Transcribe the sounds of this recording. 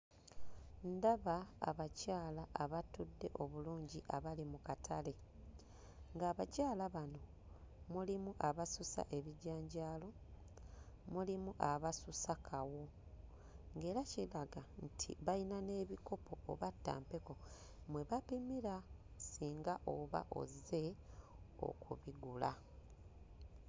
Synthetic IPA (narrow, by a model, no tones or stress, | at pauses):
ndaβa̰ːβacaːlaʔːβatudːe̞ʔo̞βuluːɲɟiʔaβalimukatʰale̞ | ŋɡaːβacaːlaβano̞ | mulimuʔaβasusa̰ʔe̞βiɟaːɲɟaːlo̞ | mulimuʔaβasusakʰawo̞ | ŋɡe̞ːɾacilaɡantʰḭβainane̞ːβiko̞pʰo̞o̰βatːa̰ːmpe̞ko̞ | mwe̞βapimiɾasiːŋɡaʔo̞βa̰ʔo̞̰ze̞ | o̰kuβiɡula